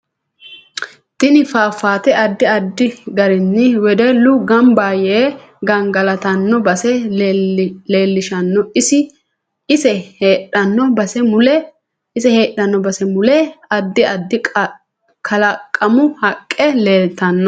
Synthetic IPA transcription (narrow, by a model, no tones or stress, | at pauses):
t̪ɪnɪfaːfaːt̪ɛʔɐd̪ːɪɐd̪ːɪɡɐɾɪnːɪwɛd̪ɛlʊɡɐmbaːjeː | ɡɐŋɡɐlɐt̪ɐnːɔbɐsɛ | leːlːɪʃɐnːɔʔɪsɪ | ɪsɛheːɗɐnːɔbɐsɛmʊlɛ | ɪsɛhe̞ːɗɐnːɔbɐsɛmʊlɛɐd̪ːɪɐd̪ːɪ | kʰɐlɐkʼːɐmʊhɐkʼːɛleːlt̪ːɐnːɔ